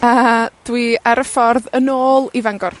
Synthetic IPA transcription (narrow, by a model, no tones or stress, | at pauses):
əd̥wiaɾəfɔrðənoːlˠivaŋɡɔr